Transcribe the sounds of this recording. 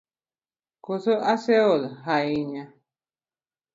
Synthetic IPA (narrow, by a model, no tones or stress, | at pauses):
kosoʔaseolɦaiɲã